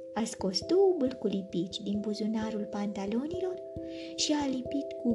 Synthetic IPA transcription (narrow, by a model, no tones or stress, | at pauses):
asko̞sd̪owbɨlkulipit͡ʃʲd̪inbuzunaɾulpant̪alo̞nilo̞r | ʃialipit̪ku